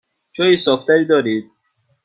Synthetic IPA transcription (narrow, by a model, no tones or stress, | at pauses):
d͡ʒɒːjisɒːft̪æɾiːd̪ɒːɾiːd̪̚